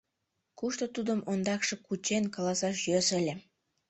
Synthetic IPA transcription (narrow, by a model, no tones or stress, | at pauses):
kuʃt̪ot̪ud̪ə̆mond̪ɑkʃɤ̆kut͡ɕenkɑlɑsɑʃjøsə̆lʲĕ